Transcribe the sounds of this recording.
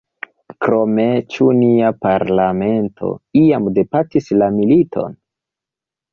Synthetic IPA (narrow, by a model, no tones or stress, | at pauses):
kɾo̞met͡ʃuniapaɾlame̞ntʰo̞̰iamde̞patislamilitʰo̞̰n